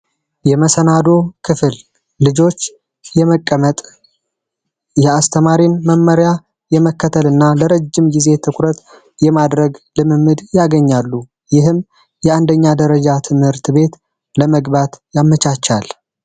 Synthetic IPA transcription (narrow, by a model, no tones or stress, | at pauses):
jɛməsənad̪o̞kʰɨfɨlː | ɨd͡ʒo̞t͡ʃː | jɛməkʼːəmət̪ʼ | jɛast̪ʰəmaɾimːəmːəɾja | jɛməkːət̪ʰəlɨnːaləɾəd͡ʒːɪmɡize̞t̪ʰɨkʷʰɾət̪ | jɛmad̪ɾəɡlɨmɨmːɨd̪jaɡəɲːalːu | jɪɦɨm | jɛand̪əɲːad̪əɾəd͡ʒat̪ʰɨmhɨɾt̪ʰbe̞t̪ | ləməɡbat̪jamːət͡ʃat͡ʃːal